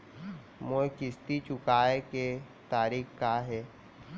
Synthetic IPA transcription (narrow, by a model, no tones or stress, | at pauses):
mokɪst̪it͡ʃʊkaːeke | t̪aːɾiːkkaɦɛː